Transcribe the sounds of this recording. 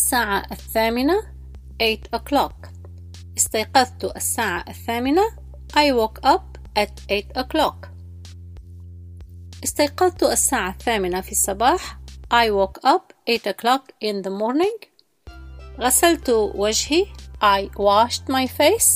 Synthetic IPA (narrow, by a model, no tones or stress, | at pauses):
sːaːʕaʔaθːaːmɪna | ʔeːt̪ʔʊklɑk | ʔɪst̪ajqɑðt̪ʊʔasːaːʕaʔaθːaːmɪna | ʔajwoːkʔap̚ | ʔat̪ʔeːt̪ʔʊklɑk | ʔɪst̪ajqɑðt̪ʊʔasːaːʕaθːaːmɪnafisˤːɑbɑːħʔajwoːkʔapʔeːt̪ʊklɑkʔɪnðəmoːɾnɪ̃ŋɡ | ɣasalt̪wad͡ʒhiʔajwaʃt̪majfeːs